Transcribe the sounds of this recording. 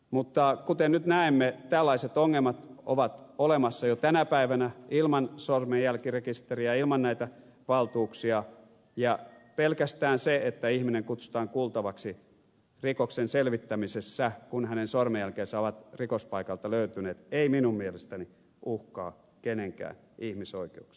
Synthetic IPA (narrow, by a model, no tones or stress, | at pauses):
mut̪ːɑkut̪ennyt̪næemːet̪ælːɑiset̪oŋːelmɑt̪oʋɑt̪olemɑsːɑjot̪ænæpæiʋænæilmɑnsormejælkirekist̪eriɑilmɑnnæit̪æ | ʋɑlt̪uːksiɑ | jɑpelkæst̪æːnseet̪ːæihmineŋkut̪su̥t̪ɑːŋkult̪ɑʋɑksi | rikoksenselʋit̪ːæmisesːækunhænensormejælkeːnsæoʋɑt̪rikospɑikɑlt̪ɑløyt̪yneːt̪eiminummielest̪æni | uhkɑ̰ː | keneŋkæ̰ːn | ihmisoikeuks